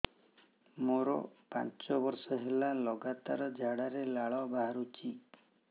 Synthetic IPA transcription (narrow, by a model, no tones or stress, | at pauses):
moɾɔ̰pa̰nt͡ʃɔbɔɾsɔɦelalɔɡat̪aɾɔd͡ʒʱaɽaɾelaɭɔbaɦaɾut͡ʃʰi